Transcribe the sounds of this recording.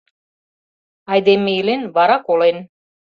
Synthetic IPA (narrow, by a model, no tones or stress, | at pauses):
ɑjd̪emeilenβɑɾɑkolen